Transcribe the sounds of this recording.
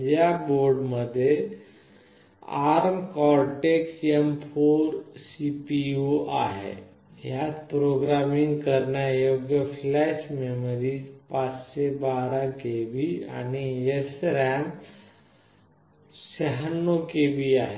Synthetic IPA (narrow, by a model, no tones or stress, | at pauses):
d͡ʑjaboɾɖməd̪ʱːje | a̰ɾmkɔɾʈeksemfʰoɾsipioʔa̰ɦḛ | jat͡spɾoɡɾamiŋɡkəɾɳjajoɡjəflɛɕmemɾiːd͡ʑpat͡sɕebaɾakebia̰ñiesɾam | ɕəɦənːokebiaɦe